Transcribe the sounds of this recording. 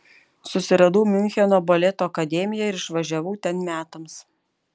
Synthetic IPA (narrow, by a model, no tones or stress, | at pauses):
sʊsʲɪɾɐd̪uːmʲɪnʲxʲɛnoːboːlʲɛt̪oːɐkɐd̪ʲɛːmʲɪjɛɪɾɪʃʋɐʒʲæʋuːt̪ʲɛnmʲæːt̪ɐms